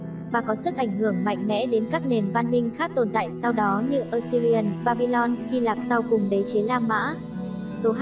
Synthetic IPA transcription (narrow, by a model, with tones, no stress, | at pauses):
vaː˨˩kɔ˨˦sɨ˦˥k̚ʔa˧˩jŋ̟hɨ˧˩əŋma̰˧˨jŋ̟mɛ̰˧˥ɗe˨˦nkaː˦˥k̚ne˨˩nva˧nmï˧ŋ̟xaː˦˥k̚t̪o˨˩nt̪a̰ː˧˨jsa˧wɗɔ˨˦ɲɨ˧ʔəː˧si˧ɾi˧ə˨˧˩nɓaː˧ɓi˧lɔ˧nxi˧laː˨˩k̚sa˧wkʊ˨˩ŋ͡mɗə˨˦t͡ɕe˨˦laː˧ma̰ː˧˥ | so˨˦